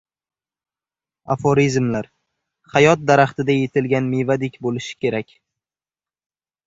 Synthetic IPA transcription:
afoɾizmlaɾ | χajɒt̪̚d̪aɾaχt̪ɪd̪aje̞t̪ʰɪlɡʲanmejvad̪ɪkʲbolɪʃɪ̥kʲʰe̞ɾakʲ

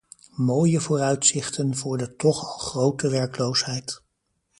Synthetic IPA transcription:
moːjəvʊːrœɥtsɪχtənvʊːɹdətɔχɑlˠχrowtəʋɛɹklowsɦɛjt

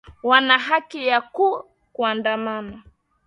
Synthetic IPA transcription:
wanaɦakijaku | kuandamana

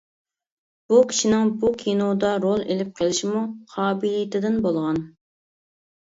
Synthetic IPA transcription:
b̥ukʲʰi̥ʃinɪŋbukʲʰinod̪ɑɾolˠelɪp̚qʰəlˠɪʃimuqʰɑːbilijt̪ʰɪd̪ɪnbolˠʁɑn

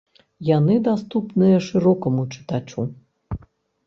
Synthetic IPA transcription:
janɨd̪ast̪upnɨjɐʂɨɾɔkɐmut͡ʂɨ̥t̪at͡ʂu

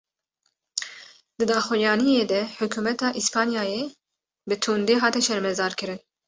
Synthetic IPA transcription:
d̪ɨd̪ɑːxwijɑːnijeːd̪ɛħʊkuːmɛt̪ɑːʔispʰɑːnijɑːjeː | bɨt̪ʰuːnd̪eːɦɑːt̪ɛʃɛɾmɛzɑːɾkɨɾɨn

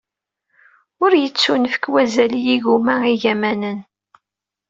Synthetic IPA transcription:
ʊɾjət͡sːunfə̥kwæzælijiʝumæiʝæmænən

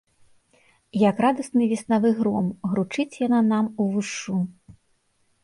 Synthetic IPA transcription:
jɐkrad̪ɐsnɨvʲisnavɨɣɾɔmɣɾut͡ʂɨt͡sʲjananamuvɨʂu

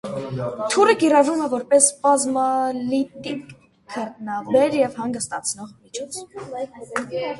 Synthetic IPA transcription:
t̪ʰurəkiɾɑvrumɛvɔɾpɛsbɑzmɑlit̪ikːʰ | əɾt̪nɑbɛɾjɛvhɑŋɡəst̪ɑt͡sʰnɔʁmit͡ʃʰɔt͡sʰ

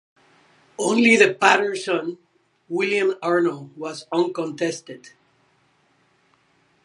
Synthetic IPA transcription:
õʊ̃nliðɨpæɾə˞sʌ̃n | wɪlˠjãmɑɹnowʌzʌ̃nkɔ̃ntɛstɨd̥

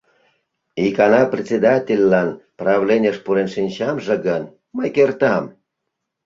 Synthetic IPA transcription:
ikɑnɑprʲet͡sʲed̪ɑtʲelʲːɑnprɑβlʲenʲəʃpuɾenʃinʲt͡ɕɑmʒeɣən | məjkert̪ɑm

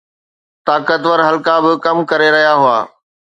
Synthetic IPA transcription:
t̪aːkət̪ʋəɾɦɐlkabɪkɐmkɐɾeɾɐɦijaɦʊa̰ː

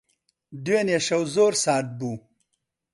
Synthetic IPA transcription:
d̪weneɕɐwzoːɾsaːt̪̚bu

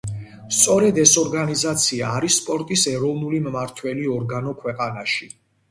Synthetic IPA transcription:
st̪sʼɔɾɛd̪ɛsɔɾɡanizat̪sʰiaːɾisːpʼɔɾt̪ʼisɛɾɔvnulimmaɾt̪ʰwɛliɔɾɡanɔkʰwɛqʼanaʃi

